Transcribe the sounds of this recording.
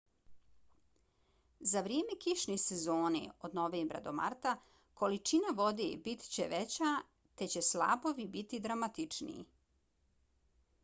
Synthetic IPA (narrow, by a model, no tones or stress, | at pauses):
zaʋɾijeːme̞kiʃnesezoːnḛod̪noʋeːmbɾa̰d̪o̞ma̰ɾt̪a | kʰo̞lit͡ʃinaʋo̞d̪ḛbit̪t͡ɕeʋet͡ɕa | t̪e̞t͡ɕe̞sla̰ːbo̞ʋibit̪id̪ɾamat̪it͡ʂnḭḭ